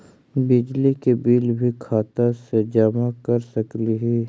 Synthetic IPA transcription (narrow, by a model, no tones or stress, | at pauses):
bɪd͡ʒlikebiːlbʱikʰaːt̪əsed͡ʒəmakəɾsəkliɦiː